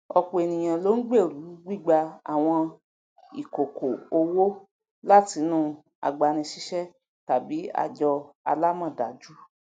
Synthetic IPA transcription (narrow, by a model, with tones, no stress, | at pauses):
ɔ˧k͡po˨e˨nĩ˨j̃ã˨lo˦n̩˦ɡ͡be˦˨ɾu˨˦ɡ͡bi˦˨ɡ͡ba˧a̰˨w̃ɔ̃˧ | i˨ko˨ko˨o˧wo˦ | la˦ti˧˦nũ˦ | a̰˨˧ɡ͡ba˧nĩ˧ʃi˦ʃɛ˦ | ta˨bi˨˦a̰˧d͡ʒɔ˧ | a̰˧la˦mɔ̃˦˨da˨d͡ʒu˦